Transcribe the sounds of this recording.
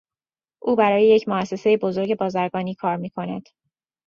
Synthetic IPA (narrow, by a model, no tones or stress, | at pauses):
ʔuːbæɾɒːje̞je̞cʰmoæsːe̞se̞jebo̞zo̞ɾɟe̞bɒːzæɾɡɒːniːkʰɒːɾmiːkʰo̞næd̪̥